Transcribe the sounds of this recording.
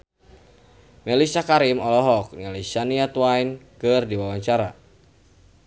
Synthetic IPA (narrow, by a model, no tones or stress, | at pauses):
mɛlisakaɾimɔlɔɦɔk̚nalisaniat̪uainkɨrdiwawaɲt͡ʃaɾa